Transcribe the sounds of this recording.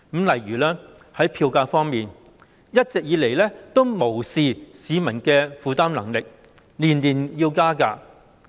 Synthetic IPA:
m̩˨˥mlɐ˨˩jɥyː˨˩laː˥ | hɐ˨˥jpʰiː˧wkaː˧fɔː˥ŋmiː˨n | jɐ˥t̚t͡sɛ˨k̚jiː˨˧le˨˩jlɛː˥t̪o˥wmo˨˩wsiː˨˧siː˨˧˥mɐ˨˩nkɛː˧fuː˨˧t̪aː˥mlɐ˨˩ŋlɪ˨k̚ | liː˨˩nliː˨˩njiː˧wkaː˥ka̰ː˧

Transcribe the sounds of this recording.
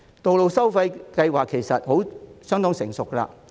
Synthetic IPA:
t̪o˨wlo˨wsɐ˥wfɐ˧jkɐ˧jwaː˨kʰːe˨˩jsɐ˨t̚ho˨˥wsœː˥ŋt̪ɔː˥ŋsɪ˨˩ŋsʊ˨kːɐ˧la̰ː˧

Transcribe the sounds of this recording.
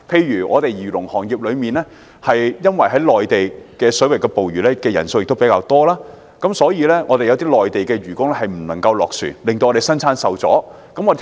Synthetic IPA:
pʰe˧jɥyː˨˩ʔɔ̰ː˨˧t̪e˨˧jjiː˨˩lʊ˨˩ŋhɔː˨˩ŋjiː˨p̚lɵ˨˧ɥmiː˨nlɛː˥ | hɐ˨jjɐ˥nwɐ˨jɦɐ˨˥jlɔː˨jt̪e˨jkɛː˧sɵ˨˥wɐ˨˩j̚kɛː˧po˨wɥyː˨˩lɛː˥kɛː˧jɐ̰˨˩nso˧wjɪ˨k̚t̪o˥wpe˨˥jkaː˧wt̪ɔː˥laː˥ | kɐ˨˥msɔː˨˥jiː˨˧lɛː˥ŋɔː˨˧t̪e˨jɐ˧t̪iː˥lɔː˨jt̪e˨jkɛː˧ɥyː˨˩kʊ˥ŋlɛ˥hɐ˨˩jm̩˨˩nɐ˨˩ŋkɐ˧wlɔː˨k̚sy̰˨˩nlɪ˨ŋt̪o˧wɔː˨˧e˨˩sɐ˥nt͡sʰaː˥nsɐ˨wt͡sɔ̰ː˨˥ | kɐ˨˥mɔː˨˧˨

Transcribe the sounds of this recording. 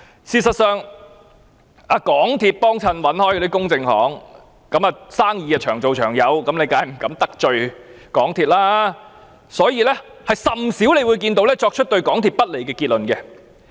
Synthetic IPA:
siː˨˩sɐ˨t̚sœː˨˧ŋ | aː˨˧kɔː˨˥ŋt̪ʰiː˧t̚pɔː˥ŋt͡sʰɐ˧nwɐ˨˥nhɔː˥jɔ˧i˥kʊ˥ŋt͡sɪ˧ŋhɔ̰ː˨˥ŋ | kɐ˨˥mɐː˨saː˥ŋjiː˧ɐ˧t͡ʃʰœː˨˩ŋt͡so˨wt͡ʃʰœː˨˩ŋjɐ˨˧wkɐ˨˥mle˨˧jkaː˧jm̩˨˩kɐ˨˧˥mt̪ɐ˥k̚t͡ʃɵ˨˧ɥ | kɔː˨˥ŋt̪ʰiː˨t̚laː˥ | sɔː˨˥jiː˨˧lɛː˥hɐ˨˩jsɐ˨msiː˨˥wle˨˧jwuː˨˧jkiː˧nt̪o˨˥wlɛː˥t͡ʃɔː˧k̚t͡ʃʰt̚t̪ɵ˧ɥkɔː˨˥ŋt̪ʰiː˨t̚pɐ˥t̚le˨˩jkɛː˧kiː˧t̚lɵ˨˩nkɛ˧

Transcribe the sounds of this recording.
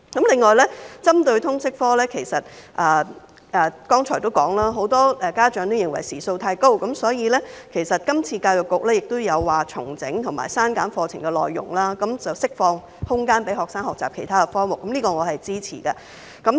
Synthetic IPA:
kɐ˨˥mlɪ˨ŋːɔː˨˩jlɛː˥t͡sɐ˥mt̪ɵ˧ɥt̪ʰʊ˥ŋsɪ˥k̚fɔː˥lɛː˥kʰe˨˩jsɐ˨t̚ʔɐː˨ | ʔɛː˨kɔː˥ŋt͡ʃʰɔː˨˩jt̪o˥wkɔː˨˥ŋlaː˥ɦo˨˥wt̪ɔː˥ɛ˨˧kaː˥t͡ʃœː˨˥ŋt̪o˥wjɪ˨ŋwɐ̰˨˩jsiː˨˩so˧wt̪ʰaː˧jko˥wkɐ˨˥msɔː˨˥jiː˨˧lɛː˥kʰe˨˩jsɐ˨t̚kɐ˥mt͡sʰiː˧kaː˧wjʊ˨˩kːʊ˨k̚lɛː˥jɪ˨k̚t̪ʊ˥wjɐ˨˧wːaː˨˩t͡sʰʊ˨˩ŋt͡sɪ˨˥ŋt̪ʰʊ˨˩ŋma̰ː˨˩jsaː˥nkaː˨˥nfɔː˧t͡sʰɪ̰˨˩ŋkɛ˧lɔ̰ː˨jːʊ̰˨˩ŋlaː˥kɐ˨˦˥mt͡sɐ˨wsɪ˥k̚fɔː˧ŋ | hʊ˥ŋkaː˥npe˨˥jɦɔː˨˩ksaː˥ŋɦɔː˨k̚t͡saː˨pkʰe˨˩t̪ʰaː˥kɛ˧fɔː˥ŋmʊ˨˩k̚ːɐ˨˦mliː˥kɔː˧ŋɔː˨˧hɐ˨jt͡siː˥t͡sʰḭː˨˩kɐ˧ | kɐ˨˥m

